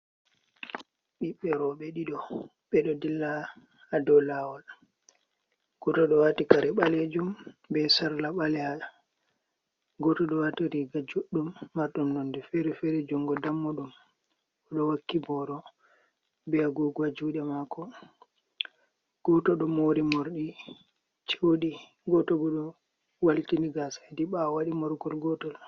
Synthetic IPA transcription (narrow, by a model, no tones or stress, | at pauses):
ɓiɓːɛɾɔɓɛɗiɗɔ | ɓɛɗɔdilːaː | dɔlawal | ɡ̥ɔtɔɗɔwatikaɾɛɓaled͡ʒumbɛsaɾlaɓalɛa | ɡɔtɔɗɔwatiɾiɡad͡ʒoɗːumːaɾɗɔnːondɛfɛɾɛfɛɾed͡ʒuŋɡɔdamːuɗum | ɔɗɔwakːibɔɾɔ | bɛaɡɔɡɔad͡ʒuɗɛmakɔ | ɡ̥ɔtɔɗɔmoɾimɔɾɗi | t͡ʃewɗi | ɡɔtɔbɔɗɔ | waltiniɡasadiɓawaɗimɔɾɡɔlɡɔtɔɗɔ